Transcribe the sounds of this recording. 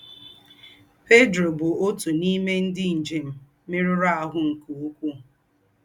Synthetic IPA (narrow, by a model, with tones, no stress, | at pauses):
pe˦dɾo˨bʊ˨o˦tu˨ni˦me˦n̩˦dɪ˦n̩˨d͡ʒe˨m̩˦ | mɪ˦ɾʊ˦ɾa˦a˨ɦʊ˦ŋ̩˨ku˨u˦kʷu˦